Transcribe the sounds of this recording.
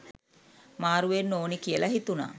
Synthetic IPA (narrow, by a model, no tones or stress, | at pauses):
maːɾuʋenːoːnikijəlaɦit̪una̰ː